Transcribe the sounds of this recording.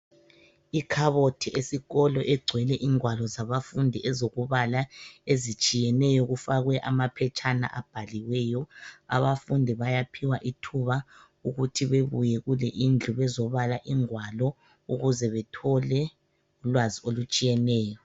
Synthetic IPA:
ikʰaβotʰiʔesiɣɔlɔʔɛɡ͡ǀʱwɛlɛʔiŋwalɔzaβafundʱiʔɛzoɣuβalaezit͡ʃʼijɛnɛjɔɣufaɣwɛʔamapʰɛt͡ʃʰʼana̰ʔab̥ʱaliwɛjɔa̰βafundʱiβajapʰiwaʔitʰuβa | uɣutʰiβeβujɛɣulɛʔind͡ɮʱuβɛzɔβalaʔiŋwalɔ | uɣuzɛβɛtʰɔlɛ | ulwaziolut͡ʃʼijɛnɛːjɔ

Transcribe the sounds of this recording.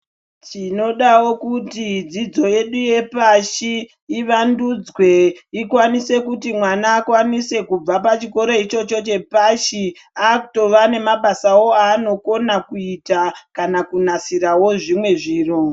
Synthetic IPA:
tino̞ɗawo̞kutid͡zid͡zo̞je̞ɗuje̞paʃiː | ʋandud͡zwe̞ikwanise̞kutimwanaːkwanise̞kub͡vapat͡ʃiko̞ɾe̞it͡ʃo̞t͡ʃo̞t͡ʃe̞paʃi | aku̥to̞ʋane̞maɓasawo̞aːno̞ko̞nakuitakanakunasirawo̞ʐimwe̞ʐiːro

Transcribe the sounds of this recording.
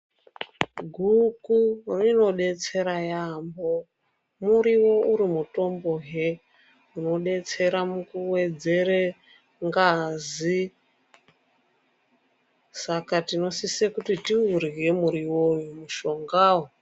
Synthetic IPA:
ɡʱukurino̞ɗe̞t͡se̞ɾajambo̞ | muɾiwo̞uɾimuto̞mbo̞ɦe | uno̞ɗe̞t͡se̞ɾamukuwe̞d͡ze̞ɾe | ŋɡazi | sakatino̞sisekutitiurɣe̞muɾiwojumuʃo̞ŋɡaːwo

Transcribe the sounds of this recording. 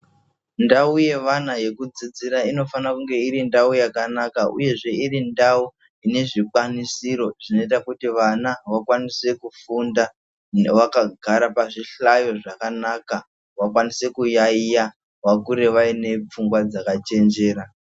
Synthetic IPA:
ndauje̞ʋanaje̞kud͡zid͡ziɾaino̞fanakuŋɡe̞iɾindaujakanakaʔṵje̞ʐe̞irindau | ine̞ʐikwanisiɾo̞ʐ̥ino̞it̬akutiʋanaʋakwanise̞kufunda | ʋakaɡʱaɾapaʐiɬajo̞ʐakanaka | ʋakwanise̞kujaija | wakuɾe̞ʋaine̞p͡fuŋɡwad͡zakat͡ʃe̞nd͡ʒe̞ːɾa

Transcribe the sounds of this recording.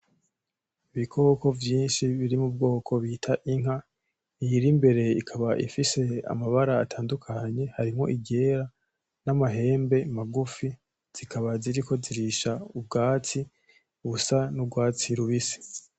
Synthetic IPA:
iβikʰo̞ːko̞vjiːnʃiβiɾimub̚ɡo̞ːkʰo̞βitʰaʔiŋ̥ɦa | ijiɾimbe̞ɾe̞ikʰaβaʔḭfise̞a̰maβaɾaːtʰaːndukʰaɲe̞haɾimŋo̞̰ʔiɟe̞ːɾa | namaɦe̞ːmbe̞maɡufi | z̥ikaβaziɾiko̞ziɾiʃaub̚ɡaːt͡si | uβusanubɡwaːt͡siɾuβisi̥

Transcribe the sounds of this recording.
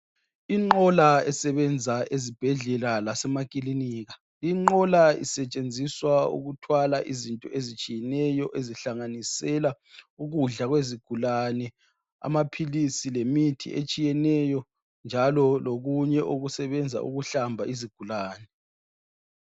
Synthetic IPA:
iŋ͡ǃɔlaɛsɛβɛnd͡zʱaezib̥ʱɛɮɛlalasɛmakʼiliniːɣa | liŋ͡ǃɔlaḭsɛt͡ʃʼend͡zʱiswaṵɣutʰwalaʔizintʼɔezit͡ʃʼijɛnɛjɔʔeziɬaŋanisɛla | uɣuɮaɣweziɡ̥ʱulanɛ | a̰mapʰilisilemitʰḭʔet͡ʃʼijɛnɛjɔ | nd͡ʒʱalɔloɣuɲɛʔoɣusɛβɛnd͡zʱa̰ʔṵɣuɬambʱaʔiziɡ̥ʱulaːnɛ

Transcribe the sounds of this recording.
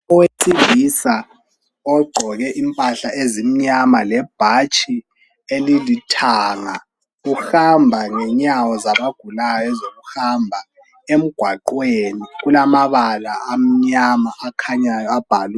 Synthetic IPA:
ɔweǀiɣisa | ɔɡ͡ǃʱɔɣɛʔimpʼaɬaʔezim̩ɲamalɛb̥ʱat͡ʃʼi | elilitʰaːŋa | ɣuxambʱaŋɛɲawɔzaβaɡ̥ʱulajjɔɛzoɣuhambʱa | em̩ɡ̥ʱwaǃweniɣulamaβalaːm̩ɲamaʔːkʰaɲajɔab̥ʱal

